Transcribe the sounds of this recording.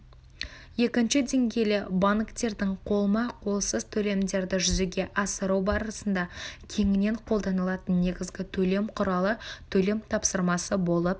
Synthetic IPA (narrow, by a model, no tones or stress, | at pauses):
je̞kʲɪnʃɪd̪e̞ŋɡʲe̞jlɪbɑɴkt̪e̞ɾd̪ɪŋqʰo̞lˠmɑqʰo̞lˠsəz̥t̪ʰɵle̞md̪e̞ɾd̪ɪʒʏzeɡʲe̞ʔɑsəɾɑwbɑɾəsənd̪ɑkʲʰe̞ŋɪne̞ɴqʰolˠd̪ɑnəlˠɑt̪ənːe̞ɡʲɪzɡʲɪt̪ʰɵle̞mqʰʊɾɑlˠət̪ʰɵle̞mt̪ʰɑpsəɾmɑsəbo̞lˠəp̚